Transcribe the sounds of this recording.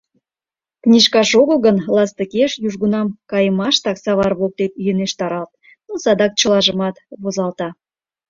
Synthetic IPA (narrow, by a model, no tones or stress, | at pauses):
knʲiʃkɑʃoɣəlˠɣənlɑst̪əkeʃjuʒɣunɑmkɑjəmɑʃt̪ɑksɑβɑrβok̚t̪et̪̚jəneʃt̪ɑɾɑlt̪̚ | nosɑd̪ɑk̚t͡ɕəlˠɑʒəmɑt̪βozɑlt̪ɑ